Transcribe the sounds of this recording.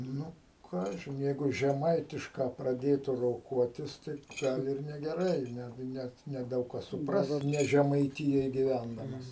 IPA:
ˈnʊ ˈkɑːʒʲɪn ˈjɛɪɡʊ ʒʲɛˈmɐɪtʲɪʃkɑː prɐˈdʲeːtʊ roːˈkuɔtʲɪs ˈtɐɪ ˈɡɐlˠ ɪr nʲɛɡʲɛˈrɐɪ ˈnʲɛ ˈnʲɛt nʲɛˈdɐʊk kɐs sʊˈprɐs ˈkʊr ˈnʲɛ ʒʲɛmɐɪˈtʲɪjoːj ɡʲɪˈʋʲændɐmɐs

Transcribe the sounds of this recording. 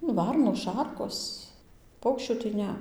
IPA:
nʊ ˈʋɐrnoːs ˈʃɐrkoːs ˈpɐʊkʃʲt͡ʃʲuː tɐɪ ˈnʲɛ

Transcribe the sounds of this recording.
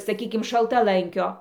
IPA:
sɐˈkʲiːkʲɪm ʃɐlˠtɐˈlˠɐŋʲkʲoː

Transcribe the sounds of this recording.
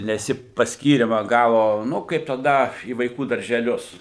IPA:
nʲɛs ˈjɪ pɐsʲˈkʲiːrʲɪmɑː ˈɡɑːʋoː ˈnʊ kɐɪp tɐˈdɐ iː ʋɐɪˈkuː dɐrʲʒʲɛˈlʲʊs

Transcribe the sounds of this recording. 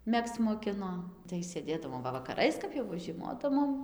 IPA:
ˈmʲɛkst͡s moːˈkʲɪnoː tɐɪ sʲeːˈdʲeːdɐʋoːm ˈʋɐ ʋɐkɐˈrɐɪs kɐp ˈjɛʊ ʋɐ ʒʲiɛˈmoːdɐʋoːm

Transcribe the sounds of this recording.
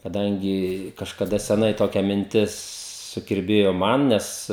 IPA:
kɐˈdɐŋʲɡʲɪ kɐʃkɐˈdɐ sʲɛˈnɐɪ ˈtoːkʲɛ mʲɪnʲˈtʲɪs sʊkʲɪrʲˈbʲeːjoː ˈmɐn ˈnʲɛs

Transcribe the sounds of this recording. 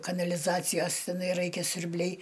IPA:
kɐnɐlʲɪˈzɑːt͡sʲɪjoːs tʲɛˈnɐɪ ˈrɐɪkʲɛ sʲʊrʲˈbʲlʲɛɪ

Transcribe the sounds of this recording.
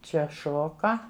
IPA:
ˈt͡ʃʲɛ ˈʃoːkɐ

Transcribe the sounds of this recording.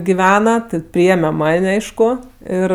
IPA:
ɡʲɪˈʋʲæːnɐ ˈtʲɪ ˈpʲrʲɪeːmʲɛ ˈmɐnʲ ˈɐɪʃkʊ ˈɪr

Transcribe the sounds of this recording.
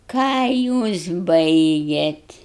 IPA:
ˈkɑː juːs ˈbɐɪɡʲeːt

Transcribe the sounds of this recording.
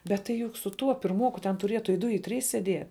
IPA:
bʲɛt tɐɪ ˈjʊk sʊ ˈtuɔ pʲɪrˈmuɔkʊ tʲɛn tʊˈrʲiɛtʊ ɪ ˈdʊ ɪ ˈtʲrʲiːs sʲɛˈdʲiɛ

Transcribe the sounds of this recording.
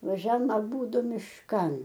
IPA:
ʋɐˈʒʲɛm ɐˈbuːdʊ mʲɪʃˈkɐn

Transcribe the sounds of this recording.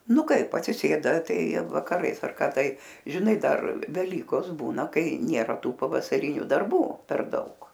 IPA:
ˈnʊ ˈkɐɪp ɐtʲsʲɪˈsʲeːdɐ ˈtɐɪ ʋɐkɐˈrɐɪs ɐr ˈkɐ ˈtɐɪ ʒʲɪˈnɐɪ ˈdɐr ʋʲɛˈlʲiːkoːs ˈbuːnɐ ˈkɐɪ ˈnʲeːrɐ ˈtuː pɐʋɐsɐˈrʲɪnʲʊ dɐrˈbuː pʲɛr ˈdɐʊk

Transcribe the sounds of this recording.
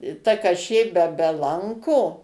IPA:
ɪ ˈtɐ kɐˈʃʲeː bʲɛ bʲɛ ˈlˠɐŋkoː

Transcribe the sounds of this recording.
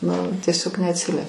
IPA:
nʊ tʲiɛˈsʲoːk nʲɛɐtʲˈsʲɪlʲiɛ

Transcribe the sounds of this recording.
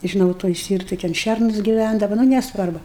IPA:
ʒʲɪˈnɐʊ toːj ˈsʲtʲiːrtoːj tʲɛn ˈʃʲɛrnʊs ɡʲɪˈʋʲændɐʋɐ nʊ nʲɛsˈʋɐrbʊ

